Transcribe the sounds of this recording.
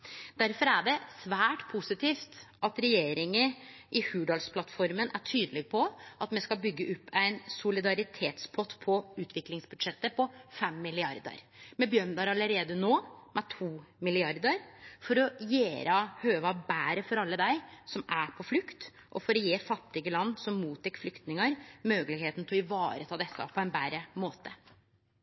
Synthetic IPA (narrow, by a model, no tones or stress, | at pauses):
d̪̥æɾfɔɾæɖɛsʋæːʈpʰusɪt̪ʰiːft̪ʔɑt̪ɾɛjeːɾɪŋə | ʔɪhʉːɖɑlspʰlɑt̪fɔɾmənʔæ̰ʈʰyːd̪əlɪɡpʰɔʔɑt̪mɛskɑlbʏɡːəʔʉpːæɪnsʊlɪd̪ɑɾɪt̪ʰeːt̪spʰɔt̪ːpʰɔʉːt̪ʰʋɪklɪŋsbʉd̪ʂɛt̪ːəpʰɔfɛmːɪlɪɑɾd̪ə̰ɾmɛbjøːɳd̪ɑɾɑlːəɾeːd̪ənoːmɛt̪ʰuːmɪlɪɑɾd̪əɾfɔɾɔjeːɾɑhøːʋɑbæːɾəfɔɾɑlːəd̪æɪsɔmæpʰɔflʉkt̪ | ʔɔfɔɾɔjeːfɑt̪ːɪɡəlɑnːsɔmːuːt̪ʰːɛkːflʏkt̪nɪŋəɾmøːɡəlɪɡheːt̪n̩t̪ɪlɔɪʋɑːɾət̪ʰɑːd̪ɛsːə̰pʰɔæɪnbæːɾəmoːt̪ə